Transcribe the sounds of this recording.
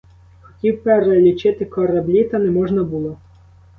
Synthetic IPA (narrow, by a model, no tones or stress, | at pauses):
xɔ̥tʲiwpeɾelʲit͡ʃɪt̪ɪkɔɾɐblʲit̪ɐnɛmɔʒnɐbulˠɔ